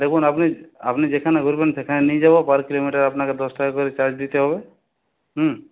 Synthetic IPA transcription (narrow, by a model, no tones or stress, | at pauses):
d̪ekʰunapnia̰pnid͡ʒekʰaneɡʱɔɾibensekʰanenid͡ʒabɔpaɾkilomiʈaɾapnaked̪ɔsʈakɔɾit͡ʃaɾd͡ʒd̪it̪eɦɔbe | ɦə